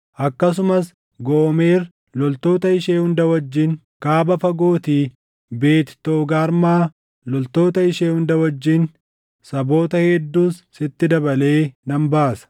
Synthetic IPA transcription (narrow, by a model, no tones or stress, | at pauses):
ʔɐkːɐs̬ʊmɐs | ɡoːme̞ːɾ | lɔlt̪o̞ːt̪ɐɪʃeːhʊnd̪ɐwɐd͡ʒːɪŋ | kaːbɐfɐɡoːt̪iː | be̞ːt̪t̪oːɡaːɾmaː | lɔlt̪o̞ːt̪ɐɪʃeːhʊnd̪ɐwɐd͡ʒːɪŋ | sɐbo̞ːt̪ɐhɛd̪ːuːsːɪt̪ːɪd̪ɐbɐle̞ːnɐmbaːsɐ̥